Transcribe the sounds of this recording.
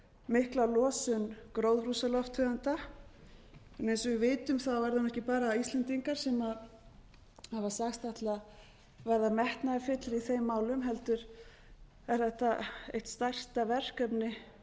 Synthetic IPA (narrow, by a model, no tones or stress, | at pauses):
mɪhklalɔːsʏnkɾowðrusalɔft̪hʏðant̪a | ɛnejnsɔvɪvɪːt̪ʏmθavɛɾðanɛhcɪpaːɾaist̪lɛnt̪iŋkaɾ̥sɛmað | havḁsaxst̪aht̪la | vɛɾðamɛht̪naɪfɪt̪lɾiθejmːaːwlʏmɦɛlt̪ʏɾ̥ | ɛɾ̥θɛht̪aḛjht̪st̪ar̥st̪avɛr̥kœpnɪ